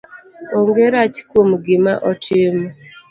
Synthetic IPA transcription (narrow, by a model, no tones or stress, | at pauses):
oŋɡeɾat͡ʃkwomɡɪmaʔɔtʰɪm